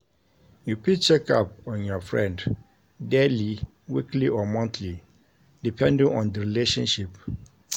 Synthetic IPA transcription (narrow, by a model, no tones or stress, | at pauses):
jupʰik̚t͡ʃɛkʰapɔ̃njɔfɹɛ̰̃nd | deli | wikʰliʔɔmɔ̃ntʰli | d̥ipʰɛ̃ndɪ̃ŋɔ̃ndəɹileʃɔ̃nʃip